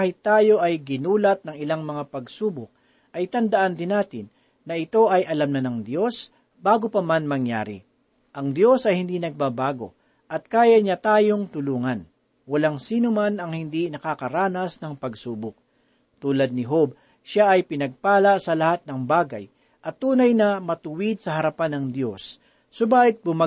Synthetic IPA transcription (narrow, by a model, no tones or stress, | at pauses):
ahɪt̪ːaːjo̞ʔɐjɡɪnuːlɐt̪̚nɐŋɪlaŋmɐŋapɐɡsuːbʊk̚ | ʔɐjt̪ɐnd̪ɐʔand̪ɪnaːt̪ɪnː | ɐɪt̪o̞ʔɐjʔɐlamnɐnɐŋd̪jo̞s | baːɡopɐmanmɐŋja̰ːɾɪ̰ | ʔɐŋd̪jo̞sɐjhɪnd̪inɐɡ̚babaːɡo̞̰ | ʔɐt̪̚kaːjɐɲat̪aːjo̞ŋt̪ʊluːŋɐn | wɐlaŋsiːnʊmanɐŋhɪnd̪inɐkakɐɾaːnɐsnɐŋpɐɡsuːbʊk̚ | t̪uːlɐd̪̚nɪɦob̚ | ʃaʔɐjpɪnɐɡ̚paːlɐsɐlɐhat̪̚nɐŋbaːɡɐ̰j | ʔɐt̪ːuːnɐjnɐmɐt̪ʊwɪd̪̚sɐhɐɾɐpanɐŋd̪jo̞sː | obaːʔɪt̪̚bʊmɐ